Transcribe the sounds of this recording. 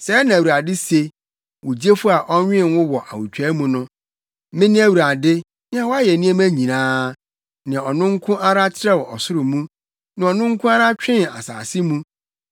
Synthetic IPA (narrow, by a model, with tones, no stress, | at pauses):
sɛ˨˦nã˨wu˨a˨dɪ˦se˦ | wʊ˨d͡ʑi˦e˦fʊ˦a˨ʔɔ˦ɲᶣɪ̃˦˨n˦wʊ̃˦wɔ˨ʔa̰˨wu˨t͡ɕᶣɛ˦mũ˦nʊ̃˦ | mɪ̃˦nɪ̃˦æ˦wu˨ɾa˨dɪ˦ | ñ˦ã˦wɔ˦a˦jɛ˨nĩ˦ɛ̃˦mæ̃˦ɲĩ˨nãː˦ | nã˨ɔ˨nʊ̃˦ŋ̩˦kʰʊ̃˦ʔa˦ɾa˦t͡ɕʰɪ˦ɾɛ˦wɔ˨ɔ˨sʊ˦ɾʊ˨mũ˦ | nɪ̃˨ɔ˨nʊ̃˦ŋ˦kʰʊ̃˦a˦ɾa˦t͡ɕᶣɪ̃˦na̰˨sa̰ː˨sɪ˦mũ˦